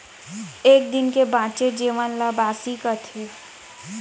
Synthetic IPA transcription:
eːk̚d̪ɪnkebãːt͡ʃed͡ʒeːʋənləbaːsikət̪ʰeː

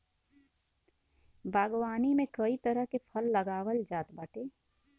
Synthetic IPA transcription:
bʱaːɡwaːnimẽkɐit̪ɐɾəɦkepʰɐlːɐɡaːwəld͡ʒaːt̪baːʈeː

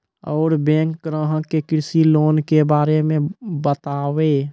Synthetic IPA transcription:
ɔːɾbẽːŋkːɡɾə̃ɦə̃kekɪɾsiloːnkebaːɾemẽbət̪aːwe

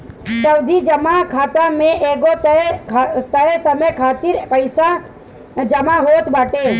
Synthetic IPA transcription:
t͡ʃəwd̪ʱid͡ʒəmakʰaːt̪amẽʔeːɡot̪ | t̪əesəməkʰaːt̪ɪɾpəɪsa | d͡ʒəmaɦoːt̪baːʈeː

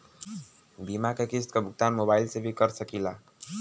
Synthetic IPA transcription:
bimakekɪst̪kabʱʊɡ̚t̪aːnmobaːɪilsebʱikəɾsəkila

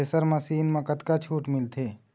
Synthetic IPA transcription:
esəɾmasiːnmãkət̪kat͡ʃʰuːʈmɪlt̪ʰeː

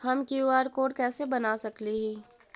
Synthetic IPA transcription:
hɐmkiaːɾkoːɽkɛːsebɐnasɐkliɦiː

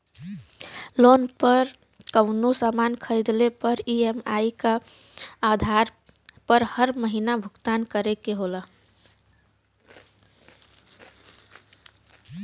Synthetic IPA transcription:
lonpəɾ | kəwnosamankʰəjd̪lepəɾiema̰ikə | ad̪ʱaɾ | pəɾhəɾməɦinabʱukt̪ankəɾekeɦolə

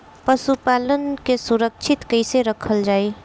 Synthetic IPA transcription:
pəsupalənkesuɾək̚t͡ʃʰɪt̪kəɪseɾəkʰəld͡ʒaːi

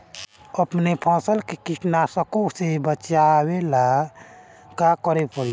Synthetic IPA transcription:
əpnepʰɔ̃ːsəlkekiʈnasəkosebət͡ʃawela | kakəɾepəɾi

